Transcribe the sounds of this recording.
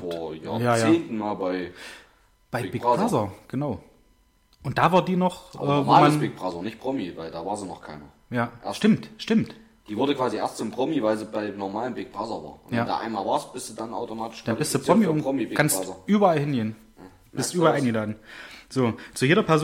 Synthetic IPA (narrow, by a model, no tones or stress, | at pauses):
foːɐja̰ːjaːjaeːntn̩maːbaɪ | b̥aɪbɪɡbʁazɐɡ̥ənaʊ | ʔʊnt̚d̥aːvaːɐdiːnɔχʔʔɛːvoːmanb̥ɪk̚b̥ʁazɐnɪçtpʁ̥ɔmivaɪldaːvaːɐzinɔχkʰaɪnɐ | jaːʔɐʃtɪmtʃtɪmt | d̥iːvʊɐdəkv̥aːziʔḛɐstt͡sʊmpʁ̥ɔmivaɪlziːbaɪnɔɐmaːlənbɪɡ̚b̥ʁazɐva̰ːɐnvjɛaːda̰ːʔa̰ɪnmaːlvaːɐstb̥ɪsd̥udanʔa̰ʊtomaːtɪ̥ʃanbbɪstd̥uːpʁ̥ɔmiʊmɡʰansɐʔyːbɐalhɪnɡeːn | b̥ɪsstʔyːbɐaɪnŋɡəlaːdn̩z̥oːt͡sujeːɾɐpʰɛɐz